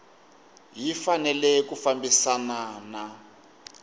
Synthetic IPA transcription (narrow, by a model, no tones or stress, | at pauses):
jifanɛlɛkufambisanana